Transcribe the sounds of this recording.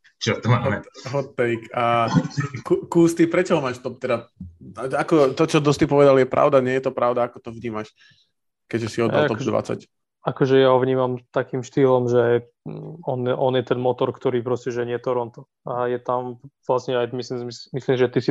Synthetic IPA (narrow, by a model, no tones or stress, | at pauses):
t͡ʃɔt̪ɔmaːmɛɦɔt̪t̪ːɛjka | kukuːst̪ipɾɛt͡ʃɔɦɔmaːʃt̪ɔp̚t̪ɛd̪aaakɔt̪ɔt͡ʃɔd̪ɔst̪ipɔʋɛd̪aljɛpɾʔa̰ʊd̪aɲɪɛjɛt̪ɔpɾaʊd̪aakɔt̪ɔʋɲiːmaʃ | kɛʒɛsiɔd̪a̰lt̪ɔbd̪ʋa̰t͡sa̰c | akɔʒɛjaɦɔʋɲiːmamt̪akiːmʃt̪iːlɔmʒɛ | ɔnʔɔnjɛt̪ɛnmɔt̪ɔɾkt̪ɔɾiːpɾɔscɛʒɛɲɪɛt̪ɔɾɔnt̪ɔ | ajɛt̪amʋlasɲɛajmislimsimisliːmʒɛt̪isi